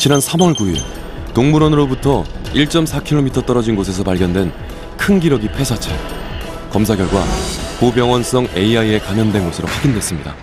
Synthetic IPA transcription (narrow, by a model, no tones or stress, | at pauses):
t͡ɕinansʰamʌɭɡuiɭ | toŋmuɾʌnɯɾobutʰʌ | iɭt͡ɕ͈ʌmsʰakʰilɭːomitʰʌt͈ʌɾʌd͡ʑinɡos̬ʰe̞s̬ʰʌpaɭɡjʌndwe̞n | kʰɯnɡiɾʌɡipʰe̞sʰat͡ɕʰa̰ɭ | kʌmsʰaɡjʌɭɡwa̰kobjʌŋwʌns͈ʌŋe̞iaie̞kanɯndwe̞nɡʌsʰɯɾoɸwaɡindwe̞s͈ɯmɲida̰